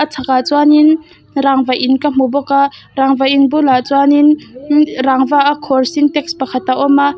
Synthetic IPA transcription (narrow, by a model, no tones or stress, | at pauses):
ʔat͡sʰakat͡swanin | ɾaŋvajʔinkam̥ɔbɔkaɾaŋvajʔinbɔlat͡swanin | ɾaŋvaʔakʰɔrsint̪ɛk̚spakʰat̪aʔɔma